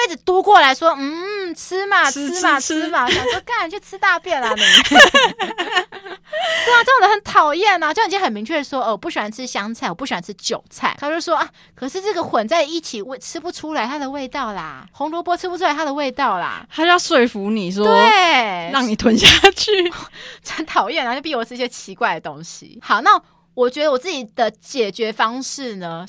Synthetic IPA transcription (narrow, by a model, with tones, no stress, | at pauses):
we˥˩ɪt͡s̩˨˩t̪u˥kwɔ˥˩la˧˥ɪʂwɔ˥n̩˥˩˨t͡s̩ʰ˥ma˨˩˥ma˨˩t͡s̩ʰ˥ma˨ɕjɑ˨ŋʂwɔ˥ka˥nɻnt͡ɕʰo˥˩t͡sʰɻ̩˥t̪a˥˧pjɛ˥˩na˨˩nə˨˩˥ | a˨ʈ͡ʂə˥˩˨d̪ə˦˥xə˧˦nt̪ʰɑ˨˩ʊjɛ˥˩nla˨˩t͡ɕo˥˧˥jɛ˥xə˨˩nmi˧˥ŋt͡ɕʰɥɛ˥˩ə˩ʂwɔ˥˧˩pu˥˩ɕy˨˩wa˧˥˩nt͡sʰɻ̩˥ɕjɑ˥ŋt͡sʰa˥˩ɪɔ˨˩pu˥˩ɕa˥nt͡sʰɻ̩˥t͡ɕjo˨˩ʊt͡sʰa˥˩ɪkʰa˥˩˨o˥˧˩ʂwɔ˦˥ʔa˥˩ | kʰɤ˨˩ʂɻ̩˥˧ʈ͡ʂɤ˥˩ɡə˩xwə˨˩nt͡sa˥˧ɪi˥˩t͡ɕʰi˨˩wʈ͡ʂʰɻ̩˥pu˥˩ʈ͡ʂʰu˥la˧˦ɪt̪ʰa˥d̪ə˨we˥˧ɪt̪ɑ˥˩ʊla̰˩xo˧˥ŋlwɔ˧˥pwɔ˥ʈ͡ʂʰɻ̩˥pu˥˩u˥a˧˥ɪt̪ʰa˥d̪ə˨we˥˧ɪt̪ɑ˥˩ʊla̰˩t̪a˥t͡ɕjɑ˥˧ʊswe˥˩ɪfu˧˥ni˨˩ʂwɔtwe˥˨˩ɻɑ˥˩ŋni˨˩t̪ʰwə˧˦nɕja˥˩t͡ɕʰy˥˩˥ | ə˧˦nt̪ʰɑ˨˩ʊjɛ˥˩na˨˩t͡ɕo˥˧pi˥˩wɔ˨˩ʈ͡ʂ̩ʰ˥˩ɕjɛ˥t͡ɕʰi˧˥kwa˥˩ɪd̪ə˨˩t̪o˦˥ŋɕḭ˨xɑ˨˩ʊna˥˩ | wɔ˨˩t͡ɕɥɛ˧˥d̪ə˧wɔ˨˩t͡sɹ̩˥˩t͡ɕi˨˩d̪̥ə˦t͡ɕjɛ˨˩t͡ɕɥɛ˧˥fɑ˥ŋʂɻ̩˥˩nə˩